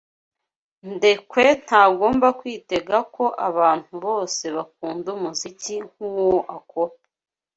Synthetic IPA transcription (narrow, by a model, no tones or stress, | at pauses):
nde̞kwe̞n̥haːɡo̞ːmbakwiːte̞ɡako̞ʔaβaːn̥huβo̞ːse̞βak̚uːndumuziciŋ̥uwoʔakoɾ